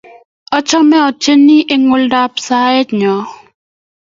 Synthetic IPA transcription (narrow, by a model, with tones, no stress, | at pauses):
ɔ˦t͡ʃɔ˦mɛ˦ɔ˨t͡ʃe˦nːi˦ʔe˦ŋʊ˨lda˦psa˦e˦tɲɔ˨